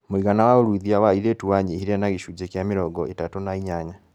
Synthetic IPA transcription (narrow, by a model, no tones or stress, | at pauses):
miɣanawaoɾuiðiawaiɾetuwaɲehiɾanaɣiʃud͡ʒekjamiɾɔɡɔetatonaiɲaɲa